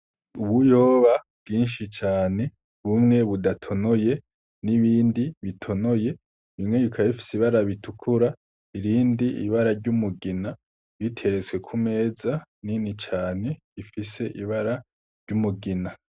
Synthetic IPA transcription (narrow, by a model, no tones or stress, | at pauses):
uβujo̞ːβabɡiːnʃit͡ʃaːne̞ | βumŋe̞βudatʰo̞no̞je̞ | niβiːndiβitʰo̞no̞je̞ | βimŋe̞jikʰajefi̥siβaɾaβitʰukʰuɾa | iɾiːndiʔḭβaɾaɾɟumuɡina | βitʰe̞ɾet͡swe̞kʰume̞ːzaninit͡ʃaːne̞ | ifise̞ʔiβaɾa | ɾɟumuɡina